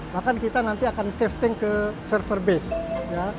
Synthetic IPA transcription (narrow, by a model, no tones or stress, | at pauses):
bakankit̪anant̪iakanseft̪ɪŋkəsərfərbesja